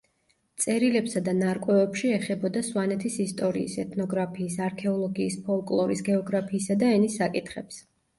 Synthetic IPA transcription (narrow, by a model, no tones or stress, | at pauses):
t̪sʼɛɾilɛpsad̪anaɾkʼwɛvɛpʃiɛχɛbɔd̪aswanɛt̪ʰisist̪ʼɔɾḭḭsɛt̪ʰnɔɡɾapʰiːsaɾkʰɛɔlˠɔɡiːspʰɔlˠkʼlˠɔɾisɡɛɔɡɾapʰiːsad̪aɛnisːakʼit̪ʰχɛps